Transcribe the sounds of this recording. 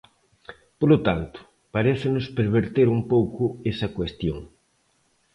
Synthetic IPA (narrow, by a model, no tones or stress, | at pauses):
polot̪ant̪ʊ̥ | paɾeθɪnʊspeɾβ̞eɾt̪eɾumpowkʊesɐkwest̪joŋ